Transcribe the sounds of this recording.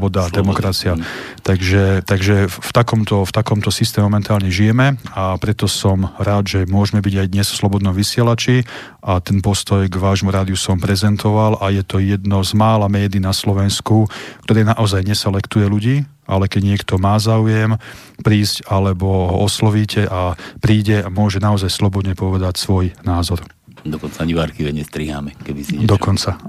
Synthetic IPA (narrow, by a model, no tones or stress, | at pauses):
bɔd̪ad̪ɛmɔkɾat͡siat̪aɡʒɛt̪aɡʒɛft̪akɔmt̪ɔft̪akɔmt̪ɔsis̬t̪ɛːmɛmɔmɛnt̪aːlɲɛʒijɛmɛapɾɛt̪ɔsɔmɾaːd̪ʒɛmʊɔʒmɛbiɟajd̪ɲɛsslɔbɔd̪nɔmʋisɪɛlat͡ʃi | ʔat̪ɛnpɔst̪ɔjɡʋaːʒmuɾaːd̪iusɔmpɾɛzɛnt̪ʰɔʋalʔajɛt̪ɔjɛd̪nɔzmaːlamɛːd̪iːnaslɔʋɛnskukt̪ɔɾɛːnaʔɔzajɲɛsɛlɛkt̪ujɛluɟiː | ʔa̰lɛkɛɟɲɪɛkt̪ɔmaːzaːujɛm | pɾiːzcalɛbɔɦɔɔslɔʋiːcʰɛʔapɾiːɟɛamʊɔʒɛnaɔzajslɔbɔd̪ɲɛpɔʋɛd̪acsʋɔjnaːzɔɾ | d̪ɔkɔnt͡saɲiʋaɾkiʋɛɲɛst̪ɾiɦa̰ːmɛkɛʋiziɛd̪ɔkɔnt͡sa